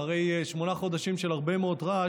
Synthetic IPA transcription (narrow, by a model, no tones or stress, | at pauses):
aʁe̞jeʃmo̞naχo̞d̪aʃimʃe̞laʁbemeo̞t̪ʁa